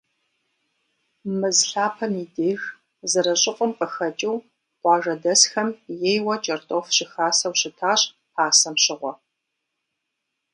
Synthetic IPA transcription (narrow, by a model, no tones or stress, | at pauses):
mɨzɬaːpʰɐmiːdeːx | zɨɾɐɕʼɪqʷʼəmqʼəxɐt͡ʃʼɪw | qʷɑːʒɐdɐsxɐmjeːjwɐt͡ʃʼɐrtʼoːfɕɪxaːsɐwɕɪtʰaːɕʼ | paːsɐmɕɪʁʷɔ